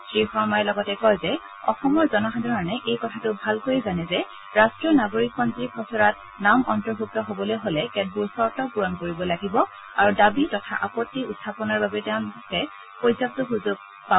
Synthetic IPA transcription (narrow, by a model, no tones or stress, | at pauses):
sɹixɔɹmajlɔɡɔtɛkɔjzɛ | ɔ̰xɔmɔɹzɔnɔxadʱɔɹɔnɛʔejkɔtʰatʊbʱalkojizanɛzɛ | ɹastɹɔnaɡoɹik̚pɔntɹikʰɔsɔɹat̚ | namʔɔntɔɹbʱuk̚tɔɦobɔlojɦolɛkɛt̚buɹsɔɹtɔpuɹɔnkoɹibɔlaɡibɔ | aɹudabitɔtʰa̰ʔapɔtːiutʰːapɔnaɹbabɛtɛʊ̃nkɛ | pojzap̚tɔɦuzuɡ̚ | pa